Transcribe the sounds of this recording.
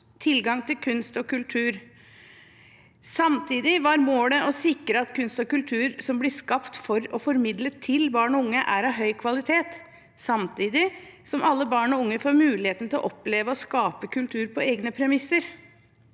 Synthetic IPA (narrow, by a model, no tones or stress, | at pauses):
t̪ʰɪlɡɑŋt̪ʰɪlkʰʉnst̪ɔkʉlt̪ʰʉːɾ | sɑmt̪ʰiːd̪ɪʋɑɾmoːɽəʔɔsɪkɾəɑt̪kʰʉnst̪ɔkʉlt̪ʰʉːɾsɔmblɪskɑpt̪fɔɾɔfɔɾmɪd̪lət̪ʰɪlbɑːɳɔʊŋːəʔæɾɑʋɦœʏkʰʋɑlɪt̪ʰeːt̪ | sɑmt̪ʰiːd̪ɪ | sɔmʔɑlːəbɑːɳɔʊŋːəfoːɾmʉːlɪheːt̪n̩t̪ɪlɔʔɔpleːʋəɔskɑːpəkʰʉlt̪ʰʉːɾpʰɔeːɡnəpʰɾɛmɪsːəɾ